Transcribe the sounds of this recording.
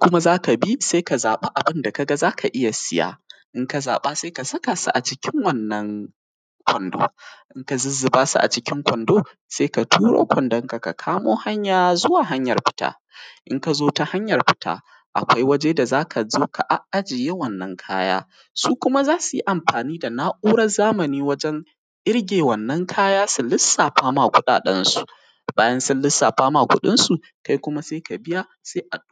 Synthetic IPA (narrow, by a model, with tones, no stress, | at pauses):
kʷʊ˦ma˦zaː˦ka˨bi˦se˦ka˨zaː˨ɓa˦ʔa˨bɪ˦nda˨ka˨ɡa˦zaː˦kʰa˨ʔɪ˦ja˨sɪ˦ja̰ː˦ʔɪ˦ŋka˨za̰ː˨ɓaː˦seː˦ka˨sɐ˦ka˨sa̰˦ʔa˨t͡ʃɪ˦kʲɪ˦ŋwɐ˦nːɐ˦ŋ | kʷɔ˨ndo̰ː˦ʔɪ˦ŋka˨zɪ˦zːɪ˨baː˦sṵ˦ʔa̰˨t͡ʃɪ˦kʲɪ˦ŋkʷɔ˨ndoː˦ | seː˦ka˨tʰuː˦ɽo̰ː˦kʷɔ˨ndɔ˦ŋka˨ka˨kʰaː˦moː˦ha˦ɲjaː˨zʊ˦waː˨ɦa˦ɲjɐ˨rɸɪ̥˦ta̰ː˦ | ʔɪ˦ŋka˨zoː˦ta˦ha˦ɲjɐ˨rɸɪ˦ta̰ː˦ | ʔa̰˨kʷa˦jwɐ˦d͡ʒeː˦da˨zaː˦kʰa˨zoː˦kʰa˨ʔa˦ʔa˦d͡ʒɪ˨jeː˦wɐ˦˨nːɐ˦ŋkʰa̰ː˦ja̰ː˦ | suː˦kʷʊ˦ma˦zaː˦su˨ji˦ʔa˨mɸaː˨niː˦da˨naː˦ʔuː˦ɽɐ˦zaː˦mɐ˨niː˦wɐ˦d͡ʒɛ˦ŋ | ʔɪ˦ɽɡʲeː˨wɐ˨nːɐ˦ŋkʰaː˦jaː˦sʊ˨lɪ˦sːaː˨ɸaː˦maː˨kʷʊ˦ɗa̰ː˨ɗɐ˦nsu̥˨ | baː˦jɐ˦nsʊ˦nlɪ˦sːaː˨ɸaː˦maː˨kʷʊ̰˦ɗɪ˦nsu˨ | ka˦jkʷʊ˦ma˦seː˦ka˨bɪ˦ja˦ | seː˦ʔa˨˦